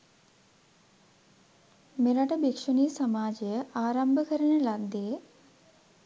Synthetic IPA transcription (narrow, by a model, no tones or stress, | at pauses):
meɾɐʈɐbikʂuniːsɐmaːd͡ʒɐjəʔaːɾɐmbʱɐkɐɾɐnelɐd̪e